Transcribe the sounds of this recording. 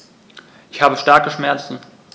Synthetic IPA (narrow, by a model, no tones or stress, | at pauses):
ʔɪçhaːbəʃtaɐkəʃmɛɐt͡sn̩